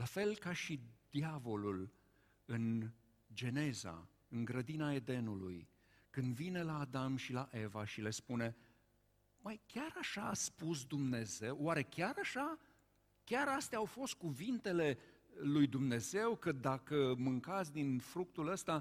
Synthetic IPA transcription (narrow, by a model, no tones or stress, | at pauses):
lafe̞lkaʃid̪̥iavo̞lul | ɨn | d͡ʒe̞ne̞za̰ | ɨŋɡɾəd̪inae̞d̪e̞nulṵj | kɨnd̪vine̞laːd̪amʃilaʔe̞vaʃile̞spune̞ | majkʲaɾaʃaːspus̬d̪umne̞ze̞wːaɾe̞kʲaɾaʃa | kʲaɾast̪eaːwfo̞st̪̚kuvint̪e̞le̞ | lujd̪umne̞ze̞wkəd̪akəmɨŋkat̪sʲd̪infɾuk̚t̪uləst̪a